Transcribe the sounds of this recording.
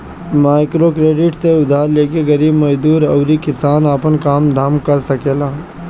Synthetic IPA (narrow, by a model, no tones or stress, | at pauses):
maːɪkɾokɾeːɖɪʈseʊd̪ʱaːɾleːkeɡɐɾiːbmɐd͡ʒd̪uːɾəʊɾikɪsaːnaːpənkaːmd̪ʱaːmkɐɾsɐkeːlaː